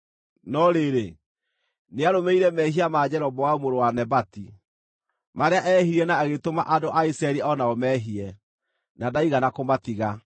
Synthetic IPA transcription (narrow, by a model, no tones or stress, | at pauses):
nɔɾeɾe | neaɾomeiɾɛmɛhiamad͡ʑɛɾɔbɔwaumoɾowanɛbati | maɾeaʔɛɦiɾiɛnaːɣetoma̰ʔadoʔaisɛɾiɔnaɔmɛɦiɛ | nadaiɣanakomatiɣa